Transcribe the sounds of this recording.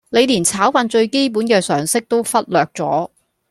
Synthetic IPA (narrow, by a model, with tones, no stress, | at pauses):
le˨˧jliː˨˩nt͡sʰaː˨˥wfɐ˧nt͡ʃɵ˧ɥke˥jp̬uː˨˥nkɛː˧sœː˨˩ŋsɪ˥k̚t̪o˥wfɐ˥t̚lœː˨k̚t͡sɔ̰ː˨˥